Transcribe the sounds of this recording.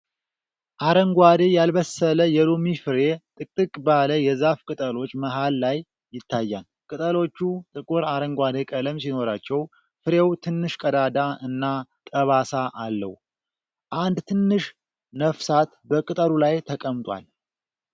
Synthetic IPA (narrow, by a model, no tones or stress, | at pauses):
ʔaɾəŋɡʷad̪ejalbəsələjɛlomifɨɾe̞t̪ʼɨkʼːɨkʼbaləjɛzafkʼɨt̪ʼəlo̞t͡ʃːməɦalːajː | ɪt̪ʰːajːan | kʼɨt̪ʼəlo̞t͡ʃːut̪ʼɨkʼuɾaɾəŋɡʷad̪ekʼələmsinoɾat͡ʃːɛw | fɨɾewt̪ʰɨnːɨʃkʼəd̪ad̪aɨnːat̪ʼəβasaʔalːə̰w | ʔand̪t̪ʰɨnːɨʃ | nəfsat̪bəkʼɨt̪ʼəɾulajt̪ʰəkʼəmt̪ʼwa̰l